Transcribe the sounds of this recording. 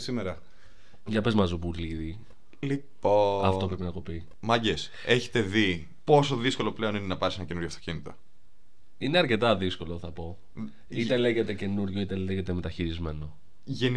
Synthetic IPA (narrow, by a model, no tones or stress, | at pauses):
simeɾɐ | ʝɐpe̞zmɐzubuliði | lipoɐft̪o̞pɾepinɐɣopi | mɐɟes | eçe̥t̪e̞ði | po̞so̞ðisko̞lo̞ple̞o̞ninenɐpɐɾsenɐce̞nuɾʝoft̪ocinit̪o | ine̞ɐɾce̞t̪ɐðisko̞loθɐpo̞ | itt̪ele̞ʝe̞t̪e̞ce̞nuɾʝoit̪eleʝet̪e̞me̞t̪ɐçiɾizme̞no̞ | ʝen